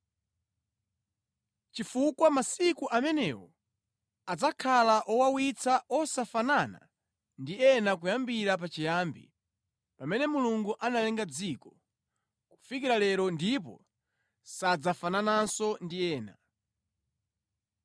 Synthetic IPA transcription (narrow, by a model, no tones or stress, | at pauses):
t͡ʃifukwamasikuʔamɛnɛ̰wɔ | ad͡zakʰalaʔɔwawit͡sʰaɔsafanana̰ | ndiɛnak̬ujambiɾap̬at͡ʃijaːmbḭ | pamɛnɛmuluŋɡuʔanalɛŋɡad͡zikɔ | ku̥fikiɾalɛɾɔndip̬ɔ̰ | sad͡zafananansɔndiɛːna̰